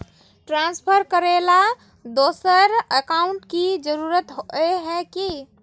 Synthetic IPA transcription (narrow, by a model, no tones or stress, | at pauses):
ʈɾãnspʰəɾkəɾela | d̪osəɾəkauɳʈkid͡ʒəɾuɾət̪ɦoɛɦɛ̃ki